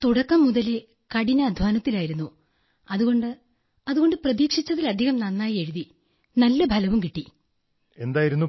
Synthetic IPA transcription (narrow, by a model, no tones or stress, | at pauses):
t̪uɽɐkːɐmːuðɐle | kɐɽiɲːɐːd̪ʱʋaːnɐt̪ːilaːjiɾunːu | ɐðuɣo̞ɳɖɨ | ɐðuɣo̞ɳɖɨprɐðiːkʂit͡ɕːɐðilɐd̪ʱːiɣɐmnɐnːaːje̞ɻuði | nɐlːɐbʱɐlɐʋumkiʈːi | e̞nd̪aːjiɾunːu